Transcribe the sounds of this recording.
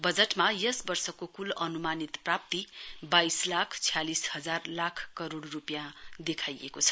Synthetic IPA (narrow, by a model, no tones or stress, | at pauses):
bʌd͡zeʈmajʌsbʌrsʌkokulʌnumanit̪prap̚t̪ibajslakʰt͡sʰijalishʌd͡zarlakʰkʌɾoɽrupjãd̪ekʰajḛkot͡sʰʌ̥